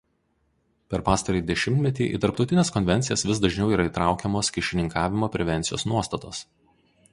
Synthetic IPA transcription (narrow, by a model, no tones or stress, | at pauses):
pʲɛɾpɑːst̪ɐɾʲɛɪd̪ʲɛʃʲɪmʲt̪ʲmʲɛt̪ʲiːʔḭt̪ɐɾp̚t̪ɒʊt̪ʲɪnʲɛːskɔnʲʋʲɛnʲt̪sʲɪjɛsʋʲɪsd̪ɐʒʲnʲɛʊiːɾɐiˑt̪ɾɑˑʊkʲɛmoːskʲɪʃʲɪnʲɪŋkʰɑːʋʲɪmoːpʲɾʲɛʋʲɛnʲt̪sʲɪjo̰ːsnuɔst̪ɐt̪oːs